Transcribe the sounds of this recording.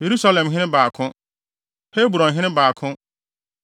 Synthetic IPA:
je˨ɾu˦sa˦lɛ̃˨mɦɪ̃˦ɪ̃˦baː˨kʰʊ̃˦ | he˦bu˨ɾɔ̃˨nɦɪ̃˦nɪ̃˦baː˨kʰʊ̃˦

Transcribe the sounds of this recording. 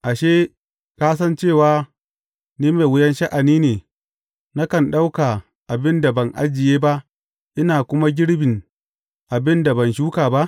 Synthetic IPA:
ʔa˨ʃeː˦ | kaː˦s̬ɐ˦nt͡ʃeː˦˨waː˨˦ | niː˦meː˨wʊ˦jɛ˦nʃa˦ʔa˨niː˦neː˨ | na˦kɐ˨nɗa˦wkaː˨ | ʔa˨bɪ˦nda˨bɐ˨ŋʔa̰˦d͡ʒɪ˨jeː˦ba˦ʔ | ʔɪ˦naː˨kʷʊ˦ma˦ɡʲɪ˦ɽbɪ˨ŋ | ʔa˨bɪ˦nda˨bɐ˨nʃuː˦kaː˨ba˦ʔ

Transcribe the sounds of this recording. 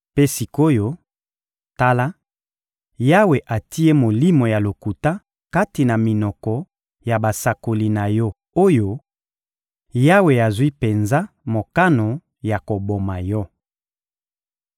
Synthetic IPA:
pe˦si˨ko˦jo˦ | ta˦la˦ | ja˦we˨ʔa˨ti˦e˦mo˨li˦mo˨ja˨lo˨ku˨ta˦ | ka˦ti˨na˨mi˨nɔ˨kɔ˨ | ja˨ba˨sa˨ko˨li˦˨na˨jɔ˦ | o˦jo˦ | ja˦we˨a˨zwi˦pe˨nza˦ | mo˨ka˦no˨ | ja˨ko˨bo˨ma˨jɔ˦

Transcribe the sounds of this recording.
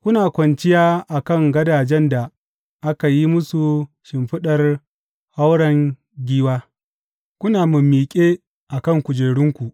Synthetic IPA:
kʷʊ˦naː˨kʷɐ˨nt͡ʃɪ˦jaː˦ʔa˨kɐ˦˨ŋɡɐ˦daː˨d͡ʒɛ˦nda˨ | ʔa˦ka˨ji˦mʊ˦su˨ | ʃɪ˨mɸɪ˦ɗɐ˨r | ha˦wɽɐ˨ŋ | ɡʲiː˦waː˦ | kʷʊ˦naː˨mʊ˨mːiː˨kʲʼeː˦ | ʔa˨kɐ˦˨ŋkʷʊ˨d͡ʒeː˨ɽɪ˦ŋkʷu˨ʔ

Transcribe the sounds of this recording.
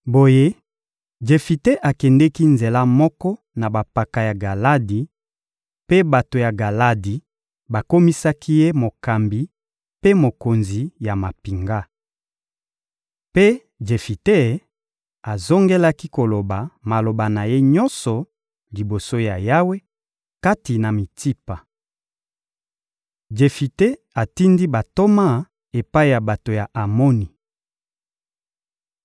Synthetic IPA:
bo˨je˦ | d͡ʒe˨fi˨te˦ʔa˨kɛ˨ndɛ˦ki˦nze˨la˦mɔ˦kɔ˦ | na˨ba˨pa˨ka˨ja˨ɡa˨la˦di˨ | pe˦ba˨to˨ja˨ɡa˨la˦di˨ | ba˨ko˦mi˦sa˦ki˦je˦mo˨ka˨mbi˨ | pe˦mo˨ko˨nzi˨ja˨ma˨pi˨ŋɡa˦ | pe˦ | d͡ʒe˨fi˨te˦˨ | a˨zo˦ŋɡe˦la˦ki˦ko˨lo˨ba˨ma˨lo˨ba˨na˨je˦ɲɔ˦nsɔ˨ | li˨bo˨so˦ja˨ja˦we˦ | ka˦ti˨na˨mi˨ti˦pa˨ | d͡ʒe˨fi˨te˦ | a˨ti˦ndi˦ba˨to˦ma˦˨ | e˨pa˦i˨ja˨ba˨to˨ja˨ʔa˨mo˦ni˨

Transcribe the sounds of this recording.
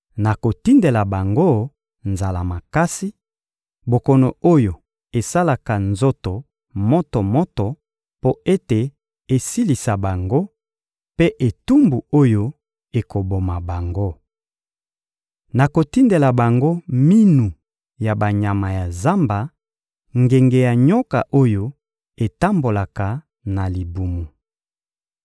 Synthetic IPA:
na˨ko˨ti˦nde˨la˨ba˨ŋɡo˦ | nza˨la˨ma˨ka˦si˦ | bo˨kɔ˨no˨o˦jo˨ | e˨sa˦la˨ka˨nzo˦to˨ | mɔ˦to˨mɔ˦tɔ˨ | po˦e˦te˨ | e˨si˦li˨sa˨ba˨ŋɡo˦ | pe˦ʔe˨tu˦mbu˨o˦jo˦ | e˨ko˨bo˨ma˨ba˨ŋɡo˦ | na˨ko˨ti˦nde˨la˨ba˨ŋɡo˦mi˦nu˨ | ja˨ba˨ɲa˨ma˨ja˨za˦mba˨ | ŋɡe˨ŋɡe˨ja˨ɲo˦ka̰˨ʔo˦jo˦ | e˨ta˦mbo˨la˨ka˨ | na˨li˨bu˨mu˨

